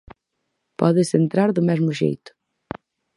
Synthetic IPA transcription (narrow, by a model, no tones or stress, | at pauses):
pɔ̰ðɪsent̪ɾaɾðʊmɛzmʊʃḛjt̪ʊ̥